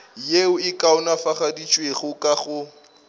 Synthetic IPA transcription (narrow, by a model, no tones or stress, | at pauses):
jeʊɪkʼaʊnafaχadit͡ʃʼweɣʊkʼaɣʊ